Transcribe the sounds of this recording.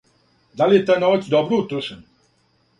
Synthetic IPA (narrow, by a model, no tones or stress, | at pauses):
d̪alijet̪ajnoʋat͡ʃ̪d̪obɾuut̪ɾuʃenu